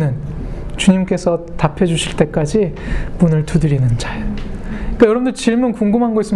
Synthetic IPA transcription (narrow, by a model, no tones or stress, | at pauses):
nɯn | t͡ɕuɲimk͈e̞sʰʌ | tapʰed͡ʑuɕʰiɭt͈e̞k͈ad͡ʑimunɯɭtudɯɾinɯnd͡ʑajoikajʌɾʌbmndot͡ɕiɭmunkuŋɡɯmɦanɡois͈ɯm